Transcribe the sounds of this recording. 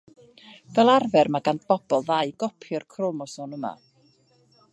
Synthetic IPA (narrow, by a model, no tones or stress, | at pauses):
vɛlˠarvɛrmaɡantb̥ɔb̥ɔlˠðaɨɡ̥ɔpʰjɔrkʰrɔmɔsɔnəma̰